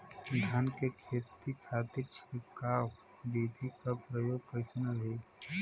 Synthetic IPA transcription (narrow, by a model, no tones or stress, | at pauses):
d̪ʱɐnkekʰeːt̪ikʰaːt̪iɾt͡ʃʰpikaːw | biːd̪ʱikapɾəjoːɡ̚kəɪsnaɾeɡ